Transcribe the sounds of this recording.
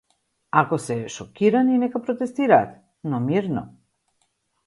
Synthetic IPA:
akosɛʃɔkiɾaninɛkapɾot̪ɛst̪iɾaːt̪ | nɔmiɾnɔ̰

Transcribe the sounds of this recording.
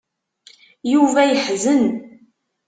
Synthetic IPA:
juvæjəħzən

